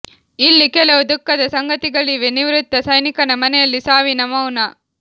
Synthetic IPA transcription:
ilːikɛlɐʋud̪ukːɐd̪ɐsɐŋɡɐt̪iɡɐɭiʋeniʋɾut̪ːɐsɐjnikɐnɐmɐnɛjɐlːisaːʋinɐmɐwnɐ

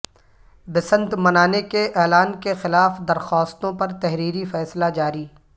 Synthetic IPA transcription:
bɪsə̃nt̪mɐnaːnekeʔɛːlaːnkexɪlaːfd̪ɐɾxɔːst̪õpɐɾt̪ɛɦɾiːɾifɛːslad͡ʒaːɾiː

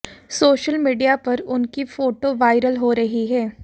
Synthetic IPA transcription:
soːʃəlmiːɖijapɐɾʊnkifoːʈoʋaːɪɾəlɦoɾɐɦiɦɛː

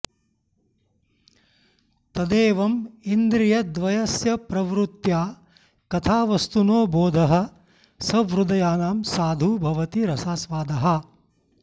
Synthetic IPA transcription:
t̪ɐd̪eːʋɐmind̪ɾijɐd̪ʋɐjɐsjɐpɾɐʋɾut̪jaː | kɐt̪ʰaːʋɐst̪unoːboːd̪ʱɐɦɐ̆ | sɐʋɾud̪ɐjaːnaːmsaːd̪ʱubʱɐʋɐt̪iɾɐsaːsʋaːd̪ʱɐɦɐ̆

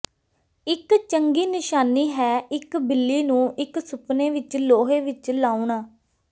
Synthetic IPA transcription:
ɪkt͡ʃəŋɡiːnɪʃaːniːɦɛːɪkbɪlːiːnũːʔɪksʊpnẽːʋɪt͡ʃloːɦeːʋɪt͡ʃlaːuːnaː

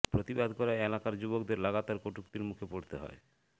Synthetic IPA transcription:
pɾot̪ibad̪kɔɾaeelakaɾd͡ʑubokd̪eɾlaɡat̪aɾkoʈukt̪iɾmukʰepoɽt̪eɦɔ̰e

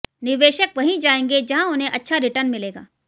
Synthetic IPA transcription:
nɪʋeːʃəkʋɐɦĩd͡ʒaːẽːŋɡed͡ʒɐɦãʊnɦẽʔɐtːʃʰaɾɪʈəɾnmɪleːɡa̰ː

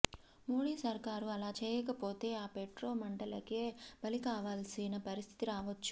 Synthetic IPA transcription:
moːɽiːsɐɾkaːɾuɐlaːt͡ʃeːjɐkɐpo̞ːt̪e̞ːaːpeʈɾo̞ːmɐɳɖɐlɐkeːb̥ɐlikaːʋaːlsinɐpɐɾist̪ʰi̥t̪iɾaːʋɐt͡ʃːu̥

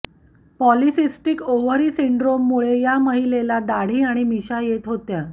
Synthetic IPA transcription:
pɔlisisʈikoʋəɾiːsiɳɖɾomːuɭejaməɦilelad̪aɽ̤iːaɽ̃imiɕajet̪ɦot̪ja

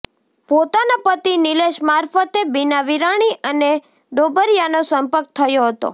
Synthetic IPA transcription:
pot̪anapət̪inɪleʃmaɾfət̪ebinaʋiɾaɽ̃iʔəne | ɖobʱəɾjanosəmpəɾk̚t̪ʰəjoɦət̪o̰

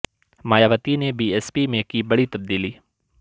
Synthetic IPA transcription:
maːjaːʋət̪inebiːɛːspimẽkibɐɽit̪ɐb̚d̪iːliː

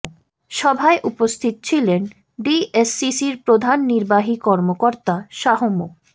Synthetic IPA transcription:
ʃɔbʱaeʔupost̪ʰit̪ot͡ɕʰilen | ɖiesːisiɾpɾod̪ʱanːiɾbaɦikɔɾmokoɾt̪aʃaɦomuk

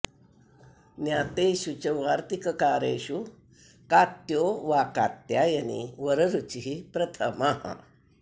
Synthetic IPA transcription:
njat̪eɕut͡ɕəʋaɾt̪ikəkaɾḛɕu | kat̪joʋakat̪jajanḭʋəɾəɾut͡ɕiɦipɾɐt̪ʰəmaɦa̰

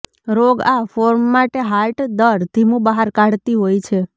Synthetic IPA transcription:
ɾoɡafoɾmːaʈeɦaɾʈd̪əɾd̪ʱimũbəɦaɾkaɽt̪iɦojt͡ʃʰe

